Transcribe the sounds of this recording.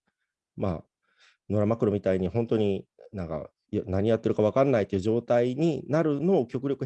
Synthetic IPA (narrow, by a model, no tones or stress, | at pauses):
ma̰ː | no̞ɾamakɯ̟ɾo̞mʲit̪aiɲ̟iɦõ̞nt̪o̞ɲ̟inãŋka̰ | jnaɲ̟ijat̪ːe̞ɾɯ̟kaβ̞akanːait̪ːeiɯ̟d͡ʑo̞ːt̪aiɲ̟inaɾɯ̟no̞ːkʲo̞kɯ̟ɾʲjo̞kɯ̟